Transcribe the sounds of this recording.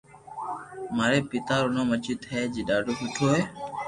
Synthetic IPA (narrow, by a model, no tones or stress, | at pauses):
maːɾeːpɪt̪aːɾʊnãːmət͡ʃiːt̪ʰeːd͡ʒiːɗaːɖʱoːkʊtʰoːɦeː